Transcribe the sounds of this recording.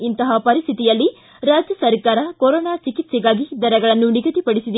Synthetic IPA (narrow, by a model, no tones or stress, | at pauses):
int̪ɐɦɐpɐɾist̪ʰit̪ijɐlːi | ɾaːd͡ʒjɐsɐɾkaːɾɐkoɾɔːnaːt͡ʃikit̪sɛɡaːɡid̪ɐɾɛɡɐɭɐnːuniɡɐt̪ipɐɽisid̪i